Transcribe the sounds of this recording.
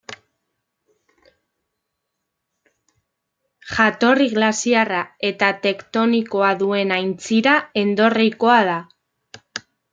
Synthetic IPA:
ʝat̪o̞riɣlasiarae̞t̪at̪e̞kt̪o̞niko̞aðue̞najnt͡siɾae̞nd̪o̞riko̞að̞a

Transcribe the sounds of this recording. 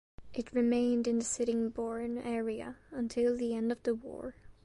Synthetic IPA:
ʔɨt̚ɹɨmẽɪ̃ndɨ̃nðɨsɪɾɪ̃ŋbɔɹnɛɹiɨ̰ə̃ntʰɪlˠðiɛ̃ndʌvðəwɔ̰ɹ

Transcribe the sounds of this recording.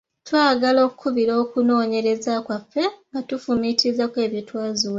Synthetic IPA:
twaːɡalo̞ːkukʰuβiɾo̞ːkuno̞ːɲe̞ɾe̞zakwafːe̞ŋɡatufumitizakwe̞ːβjitwaːzu

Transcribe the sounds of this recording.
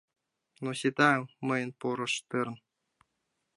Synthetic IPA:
nuɕid̪ɑmɤ̆jɤ̆npuɾɤ̆ʂt̪ɯrn

